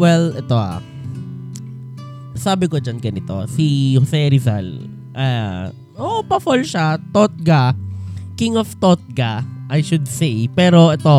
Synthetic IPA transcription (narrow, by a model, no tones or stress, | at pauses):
wɛlʔɛt̪oʔa̰ | saːbɪkod͡ʒanɡɐnɪt̪o̞̰sihosɛɾɪza̰l | ʔa | ʔoʔpɐfolʃat̪ot̪̚ɡa | kɪŋɔft̪ot̪̚ɡaʔajʃʊd̪̚sejpɛːɾo̞ʔɛt̪o